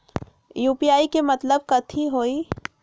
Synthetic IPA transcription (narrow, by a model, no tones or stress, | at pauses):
juːpiaːikemɐt̪ləb̚kɐt̪ʰiɦoːiː